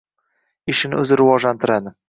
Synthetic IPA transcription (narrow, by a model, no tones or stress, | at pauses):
ɪʃɪnɪ̰ɵzɪɾɪvɒʒlant̪ʰɪɾad̪ɪ